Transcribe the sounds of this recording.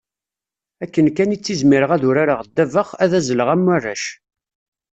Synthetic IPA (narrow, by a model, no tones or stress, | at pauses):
ækːənkænit͡sːizmɪɾəʁæðʊɾaɾaʁd̪ːævəχæðæzələʁæmːarˤːæ̰ʃ